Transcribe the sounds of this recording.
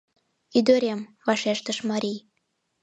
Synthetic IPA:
id̪øɾʲemvɑʃeʃt̪əʃmɑɾʲij

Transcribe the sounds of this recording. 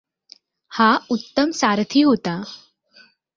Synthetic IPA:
haut̪ːəmsaɾt̪ʰiːɦot̪a

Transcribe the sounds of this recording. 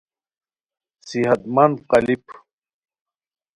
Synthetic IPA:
siɦɐt̪mɐnqɐlipʰ

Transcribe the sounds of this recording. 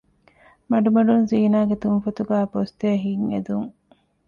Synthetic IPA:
mɐɖumɐɖunziːnaːɡet̪unfɐt̪uɡæːpost̪eɐɦiŋḛd̪uŋ

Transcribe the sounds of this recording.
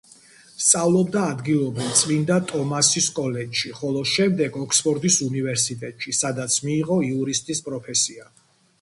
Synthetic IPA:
st̪sʼavlˠɔb̚d̪aːd̪ɡilˠɔbɾivˠt̪sʼvind̪at̪ʼɔmasiskʼɔlɛd͡ʒʃiχɔlˠɔʃɛmd̪ɛɡɔkʰspʰɔɾd̪isunivɛɾsit̪ʼɛt̪ʼʃisad̪at̪sʰmiːʁɔiuɾist̪ʼispʼɾɔpʰɛsia

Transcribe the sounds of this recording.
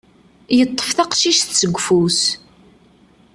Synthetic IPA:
jət̪ˤːə̥fθɑqʃiʃθsəɡʷːfus

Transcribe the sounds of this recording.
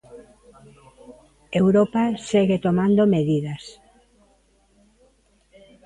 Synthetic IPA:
ewɾopaseɣet̪omand̪omeðiðas

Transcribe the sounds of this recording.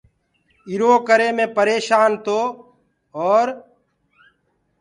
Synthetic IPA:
ɪɾoːkəɾeːmẽːpəɾeːʃaːnt̪oː | ɔːɾ

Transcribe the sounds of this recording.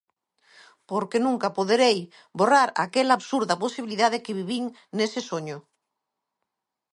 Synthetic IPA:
poɾkenũŋkapoðeɾej | boraɾa̰kelaːβsuɾðaposiβiliðaðekeβ̞iβiŋ | nesesoɲo

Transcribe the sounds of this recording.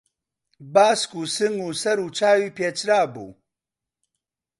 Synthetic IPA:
baːskuːsɨŋɡuːsɐɾuːt͡ʃʰaːwiːpeːt͡ʃɾaːbṵː

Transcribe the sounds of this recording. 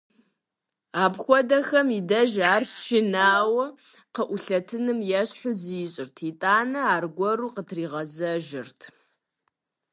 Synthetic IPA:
aːbxʷɔdɐxɐmidɐʒaːrʃɪnaːwɐ | qəʔʷʊɬɐtʰɨnɨmjɛɕħʷʊziɕʼɪrtʰitʼaːnɐaːrɡʷɔɾuːqətʰriːʁɐzɐʒɪrtʰ

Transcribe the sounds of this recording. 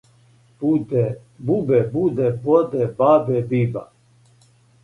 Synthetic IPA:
bud̪ | bubɛbud̪ɛbod̪ɛbaːbebiːba

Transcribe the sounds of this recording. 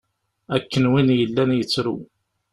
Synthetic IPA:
ækːənwinjəlːænjət͡sːɾṵ

